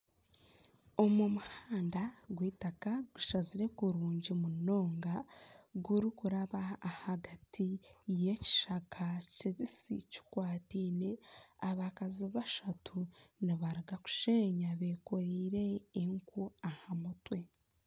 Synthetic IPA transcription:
o̞mumuhaːndaɡwiːtakaɡuʃaziɾe̞kuɾuːɲɟimuno̞ːŋɡaɡuɾikuɾaβaːhaɡatʰije̞ci̥ʃakʰaciβisḭci̥kwaːtiːne̞aβakaziβaʃatʰuniβaɾiɡaku̥ʃeːɲaβe̞ko̞ɾiːɾe̞ːŋkuahamutwe̞

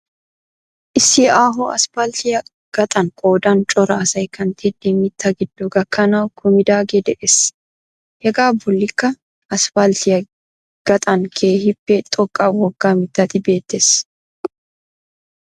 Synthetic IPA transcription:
ʔɪsːɪʔaːɦɔɐ̰sfalt̪ɪjɐ | ɡ̥ɐt̪ʼɐŋkʼo̞ːd̪ɐnt͡ʃʼɔɾɐːsɐjkɐnt̪ʰɛd̪emɪt̪ːɐɡɪd̪ːuɡɐkːɐnaːwkʊmɪd̪aːɡɛd̪ɛʔɛs | hɛɡaːbʊlːɪkːɐ | ɐsfalt̪ɪjɐ | ɡ̥ɐt̪ʼɐŋkʰeːhɪpːɛt̪ʼɔkʼːaːwɔɡːaːmɪt̪ːɐt̪ɪbe̞ːt̪ːɛs

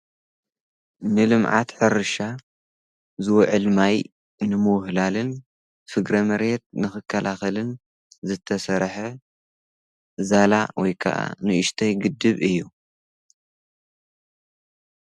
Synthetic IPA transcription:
nɨlɨmʕa̰t̪ħɨɾɨʃa | zɨwɔʕɨlmaj | nɨmɨwhlalɨn | fɨɡɾɐmɐɾjɛt̪̚nɨxɨkʰːɐlʔaxɐlɨn | zɨt̪ʰːɐsɐɾħɐ | zalawɔjkʰɐ̰ʔa̰nɨʔɨʃt̪ʰɐjɡɨd̪ːɨβɨjːu

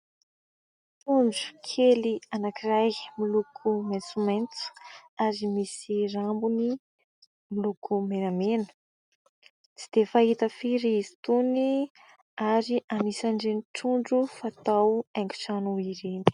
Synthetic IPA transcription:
t̪uɳɖ͡ʐu̥kʰelianakirajmilukʰument͡sumant͡su̥aɾimisiɾambuni | milukʰumenamenə̥ | t͡si̥d̪̥efaɦit̪əfiɾiizi̥t̪uni | aɾiʔanisaɳɖ͡ʐeniʈ͡ʂuɳɖ͡ʐufat̪awaŋɡu̥ʈ͡ʂanuiɾeni̥

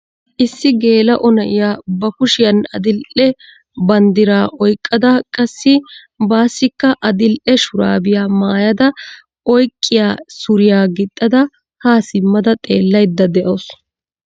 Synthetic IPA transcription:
ʔɪsːɪɡe̞ːlɐʔɔnɐʔɪjaːbɐkʊʃɪjɐnɐd̪ɪlʔɛ | bɐnd̪ɪɾaːʔɔjkʼːɐd̪ɐkʼɐsːɪ | baːsːɪkːɐʔɐd̪ɪlʔɛʃʊɾa̰ːbɪjaːmaːjɐd̪ɐ | ɔjkʼːɪjaːsʊɾɪjaːɡɪt̪ʼːɐd̪ɐ | haːsɪmːɐd̪ɐt̪ʼe̞ːlːɐjd̪ːɐd̪ɛʔows

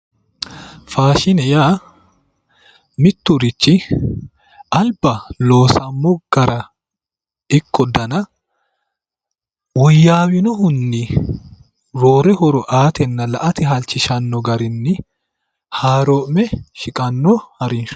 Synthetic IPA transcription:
faːʃɪnɛjaː | mɪt̪ːʊɾɪt͡ʃːɪ | ʔɐlbɐlo̞ːsɐmːɔɡ̥ɐɾɐ | ɪkːɔd̪ɐnɐ | wɔjːaːwɪnɔhʊnːɪ | ɾoːɾɛhɔɾɔʔaːt̪ɛnːɐlɐʔɐt̪ɪɦɐlt͡ʃːɪʃɐnːɔɡɐɾɪnːɪ | haːɾɔːʔmɛʃɪkʼɐnːɔhɐɾɪnʃʊ̥

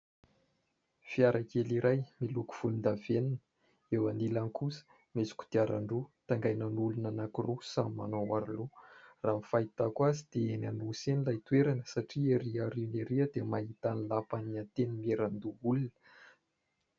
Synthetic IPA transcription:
fiaɾʔakeliɾʔajmiluku̥v̥ulund̪aveninə̥ | ewanilaŋkusə̥ | mezi̥kʲu̥d̪̥iaɾa̰ɳɖ͡ʐut̪aŋɡajnanulunanakurusamima̰nowaɾluraːmfait̪akwazid̪̥eenanusenilajt̪weɾanə̥saʈ͡ʂieɾiaɾineɾiəd̪emaɦit̪anilapaniant̪enimieɾand̪uulunə̥

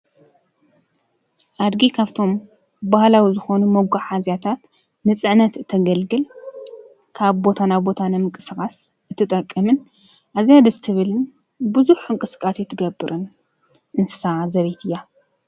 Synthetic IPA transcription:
ʔad̪ɡikʰaβt̪ʰo̞m | bahlawizɨxonumɐɡaħazjat̪ʰat̪ | nɨt͡sʼɨʕnɐt̪ɨt̪ʰːɐɡɐlɡɨl | kʰaβbo̞t̪ʰanabo̞t̪ʰanɨmɨkʼɨsɨkʼasʔɨt̪ʰːɨt̪ʼɐkʼːɐmɨn | ʔazijad̪ɐzɨt̪ʰɨβɨlɨn | bɨzuħɨŋkʼɨskʼasit̪ʰɨɡɐbːɨɾʔɨn | ʔɨnsʰɨ̥sazɐβit̪ʰɨja

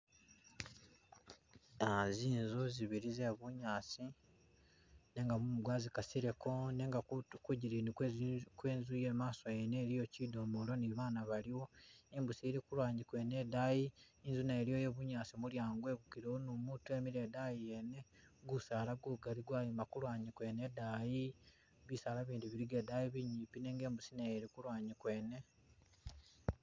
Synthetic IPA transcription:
aziːnzoziβiɾizeβuɲaːsi | ne̞ŋɡamumuɡwaːzikasiɾe̞kʰo̞neŋɡakuɟiɾinikweːnzujeːmaːsojeneːɾijo̞cido̞molo̞niβaːnaβaliwo̞imbusiɾikulwaːɲikwe̞ne̞dajiː | nzunaeɾijojeβuɲaːsimuljaːŋɡwe̞ɡukiɾeonumutue̞miɾe̞dajijene̞ɡusaːlaɡuɡaliɡwajimakulwaːɲikwe̞ːne̞daji | βisaːlaβiːndiβiɾiɡe̞dajiβiɲiːpine̞ːŋɡe̞ːmbusinajeɾikulwaːɲikwe̞ːne̞

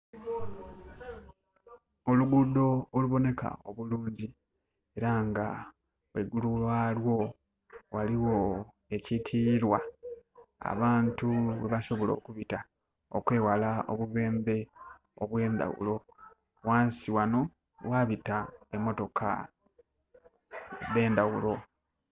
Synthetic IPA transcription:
oluɡudo̞ːluβo̞ne̞ka̰oβuluːɲɟi | e̞ɾaŋɡa | weɡululwalwo̞ | waliwo̞ | e̞citʰiɾwa | a̰βaːntuβe̞βaso̞βo̞lo̞̰ːkuβita | okwe̞ːwalao̰βuβe̞ːmbe̞ | oβwe̞ːnd̪a̰wṵlo̞ | waːnsiwano̞ | waβitae̞mːo̞to̞kʰa̰ | de̞ːnd̪awulo̞

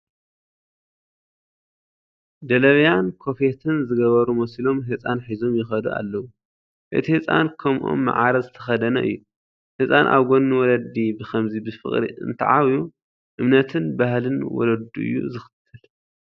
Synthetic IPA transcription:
d̪ɐlɐβjankʰo̞fet̪ʰɨnzɨɡɐβɐɾumɐsilo̞mɦɨt͡sʼanħizo̞mjɪxɐd̪ua̰lːɐwu | ʔɨ̰t̪ʰihɨt͡sʼa̰nkʰɐmʔo̰mːa̰ʕaɾɐzɨt̪ʰɐxɐd̪ɐnɐ̰ʔɨ̰jːu | hɨt͡sʼanʔa̰βɡonːuwɔlɐd̪ibɨxʰɐmzibɨfɨ̰χʼɾḭɨ̰nt̪ʰɐ̰ʕawju | ʔɨmnɐt̪ʰɨnbahlɨnwɔ̰lɐd̪ṵʔɨ̰jːṵzɨxɨ̥t̪ʰːɨl

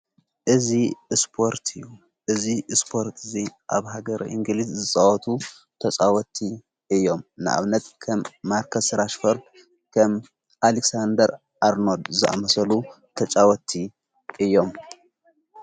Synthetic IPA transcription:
ʔɨzispʰo̞ɾt̪ʰɨjːu | ʔɨzispʰo̞ɾt̪ʰɨziʔa̰βɦaɡɐɾʔḭŋɡɨlizzɨt͡sʼawɔt̪ʰu | t̪ʰɐt͡ʃʼawɔt̪ʰːi | ɨjːo̞mnɨʔa̰βnɐt̪kʰɐmːaɾkʰɐsɾaʃfoɾd̪ | kʰɐm | ʔaleksand̪ɐɾ | ʔaɾno̞d̪zɨʔa̰mɐsɐlu | t̪ʰɐt͡ʃʼawɔt̪ʰi | ʔɨjːo̞m

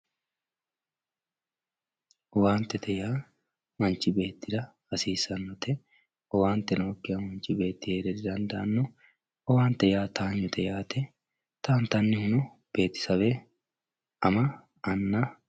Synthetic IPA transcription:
waːnt̪ɛt̪ʰɛjaː | mɐnt͡ʃːɪbe̞ːt̪ːɪd̪ɐ | ɐsiːsɐnːɔt̪ɛ | ɔwaːnt̪ːɛnoːkːɪjɐmɐnt͡ʃɪbe̞ːt̪ːɪheːd̪ɛd̪ɪd̪ɐnd̪ɐʔɐnːʊ | ɔwaːnt̪ɛjaːt̪ʰaːɲːʊt̪ʰɛjaːt̪ɛ | t̪aːnt̪ɐnːɪhʊnʊ | b̥e̞ːt̪ːɪ̥sɐbe | ɐmɐ | ɐnːa

